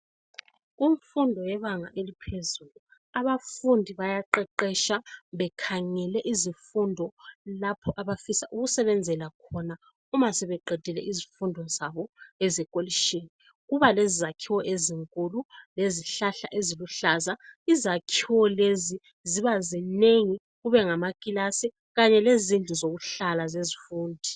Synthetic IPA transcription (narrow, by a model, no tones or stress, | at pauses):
ɣuɱfundʱɔjɛβaŋaʔelipʰezulu | aβafundʱiβajaǃɛǃɛʃaβɛkʰaŋɛlɛʔizifundʱɔlapʰɔʔaβafisaʔuɣusɛβɛnd͡zʱɛlakʰɔna | umasɛβɛǃɛd̥ʱɛlɛ̰ʔizifundʱɔzaβɔɛzɛkʼoliʃini | ɣuβalezizakʰiwɔʔeziŋkʼululeziɬaɬa̰ʔeziluɬazaizakʰiwɔlezi | ziβazineŋi | ɣuβɛŋamakʼilasi | ɣaɲɛlezind͡ɮʱizoɣuɬalazezifuːndʱi